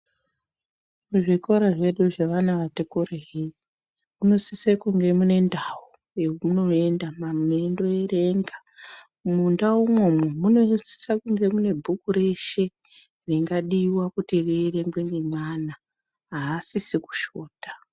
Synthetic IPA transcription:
muʐiko̞ɾaʐe̞ɗuʐeʋanaʋatekoreɦi | muno̞sisekuŋɡe̞mune̞ndawu | eumuno̞e̞ndamamendo̞ere̞ŋɡa | mundaumwo̞memuno̞si̥sakuŋɡe̞mune̞bʱukuɾe̞ʃe̞ | riŋɡaɗiwakutirireŋɡweŋɡe̞mwana | ɦaːsisiku̥ʃo̞ːtḁ

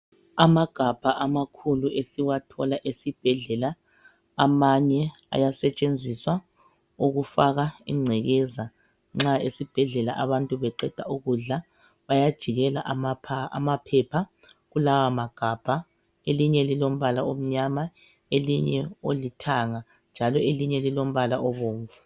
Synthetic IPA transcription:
amaɡ̥ʱab̥ʱaʔamakʰuluʔesiwatʰɔlaʔesib̥ʱɛɮɛla | amaɲɛ | a̰jasɛt͡ʃʼend͡zʱiswa | uɣufaɣaḭŋ͡ǀʱɛɣɛza | ŋ͡ǁaesib̥ʱɛɮɛlaʔaβantʼuβɛǃɛd̥ʱauɣuɮa | βajad̥ʒ̥ʱiɣɛlaʔmapʰa̰mapʰɛpʰa | ɣulawamaɡ̥ʱab̥ʱa | eliɲɛlilom̩βalaom̩ɲama | eliɲɛ̰olitʰaŋa | nd͡ʒʱalɔeliɲɛlilom̩βalaʔɔβoːɱvu

